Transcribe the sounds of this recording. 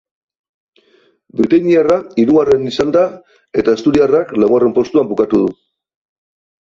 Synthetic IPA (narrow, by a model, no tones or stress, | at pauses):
bɾit̪aɲiaraiɾuɣare̞nisand̪a | e̞t̪ae̞st̪uɾiaraklaɣare̞mpo̞st̪uambukat̪uðu